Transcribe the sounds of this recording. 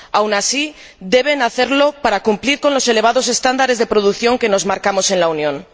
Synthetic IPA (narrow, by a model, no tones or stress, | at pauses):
awnasi | d̪e̞β̞e̞naθe̞ɾlo̞paɾakumpliɾko̞nlo̞se̞le̞β̞aðo̞se̞st̪and̪aɾe̞zðe̞pɾoð̞ukθjo̞ŋke̞no̞zmaɾkamo̞se̞nlaunjõ̞n